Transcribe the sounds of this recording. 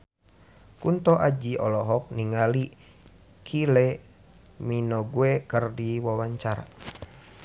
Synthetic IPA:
kunt̪ɔʔad͡ʒiɔlɔɦɔk̚niŋali | kʰilɛ | minɔɡuɛkərdiwawaɲt͡ʃaɾa̰

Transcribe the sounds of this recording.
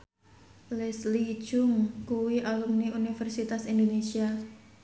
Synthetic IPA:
lɛsli̥ʒ̥ʊŋkuwiʔalumniunifɛrsit̪asind̪onesia

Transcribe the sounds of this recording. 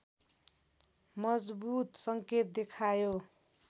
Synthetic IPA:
mʌd͡zbut̪sʌŋket̪̚d̪ekʰajo

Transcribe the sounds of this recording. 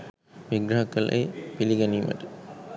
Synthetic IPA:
mɪɡɾaːkːɐlʔɐ̰ɪpɪlɪɣɐnimɐ̰ɾ

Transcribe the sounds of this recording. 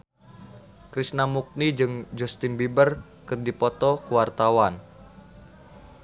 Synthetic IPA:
kɾisnamuk̚nid͡ʒɨŋd͡ʒɔst̪inbibər | kɨrdipɔt̪ɔkuwart̪awan

